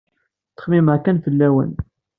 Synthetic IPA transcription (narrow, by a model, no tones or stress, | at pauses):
θə̥χmimʕkænfəlːæwə̰n